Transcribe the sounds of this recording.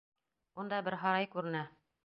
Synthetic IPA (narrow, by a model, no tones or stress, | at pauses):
und̪ɑbɘɾɦɑɾɑjkʉɾɘ̆næ